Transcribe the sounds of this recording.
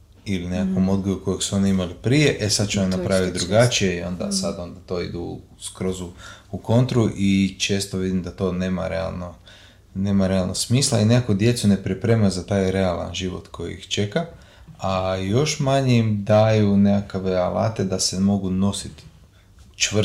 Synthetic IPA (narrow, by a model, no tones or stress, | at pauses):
ilinekakomo̞d̪ɡojuko̞jeɡsuo̞niimalipɾije̞ʔesad̪̚t͡ʃuamnapɾaʋit̪̚d̪ɾuɡat͡ʃije̞io̞̰nd̪a̰sad̪o̞nd̪at̪o̞ːḭd̪u | skɾo̞zuuko̞nt̪ɾuʔit͡ʃe̞ːst̪oʋid̪imd̪at̪o̞ːne̞ːma̰ɾḛa̰lˠno | ne̞ːmaɾe̞alˠnoɡsmiːslˠa̰ine̞kakod̪je̞t̪sune̞pɾipɾe̞ːmazat̪aːjɾe̞alˠa̰nʒiʋo̰t̪kʰo̞jḭḭxt͡ʃe̞ka | ajo̞ʃmaɲeimd̪ajune̞kakaʋeala̰ːt̪e̞d̪asemo̞ɡuno̞sit̪ | t͡ʃʋ